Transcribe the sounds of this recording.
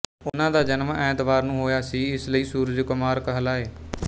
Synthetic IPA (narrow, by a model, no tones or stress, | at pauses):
ʊnãːd̪aːd͡ʒənmɛ̃ːt̪ʋaːɾnũːɦoːjaːsiːɪsləiːsuːɾd͡ʒkʊmaːɾkəɦəlaːeː